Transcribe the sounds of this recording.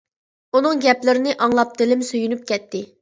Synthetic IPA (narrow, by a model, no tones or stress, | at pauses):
unɨŋɡʲɛplɪɾɪnɪʔɑŋlˠɑp̚t̪ʰɪlɪmsøjynyp̚kʲɛt̪ʰːɪ